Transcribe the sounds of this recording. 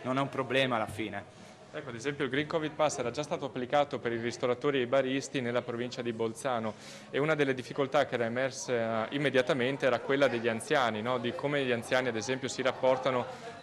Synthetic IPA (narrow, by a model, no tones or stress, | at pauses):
nonɛumpɾoblɛːmalːafiːne | ɛkːoad̪ezɛmpjoilɡɾiŋkɔvid̪̚pasːɛːɾad͡ʒast̪aːt̪oapːlikaːt̪opeɾirist̪oɾat̪oːɾiejbaɾist̪inelːapɾovint͡ʃad̪ibolt̪saːno | eunad̪elːed̪ifːikolt̪akːeɛːɾaemɛrseimːed̪jat̪ament̪eɛːɾakwelːad̪eʎːiant̪sjaːninɔd̪ikomeʎiant̪jaːniad̪ezɛmpjosiɾapːɔrt̪ano